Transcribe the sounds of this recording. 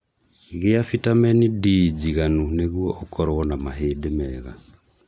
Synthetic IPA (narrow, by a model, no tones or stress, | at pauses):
ɣeafitamɛnidid͡ʒiɣanuneɣuɔʔokʰɔɾwɔnamaɦeːdemɛːɣa̰